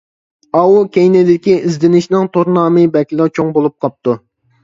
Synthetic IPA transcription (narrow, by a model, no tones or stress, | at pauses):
ɑwukʲejnɪd̪ɪkʲiizd̪ɪnɪʃnɪŋt̪ʰoɾnɑːmɨbɛkʲlˠɨt͡ʃʰoŋbolˠup̚qʰɑp̚t̪u